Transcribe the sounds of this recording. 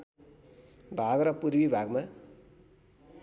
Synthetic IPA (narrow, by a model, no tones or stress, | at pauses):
bʱaɡɾʌpuɾbibʱaɡma